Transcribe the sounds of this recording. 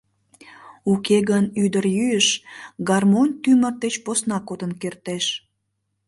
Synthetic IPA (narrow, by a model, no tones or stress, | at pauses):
ukeɣənyd̪əɾjyjəʃɡɑrmonʲt̪ymərd̪et͡ɕposnɑkod̪ənkert̪eʃ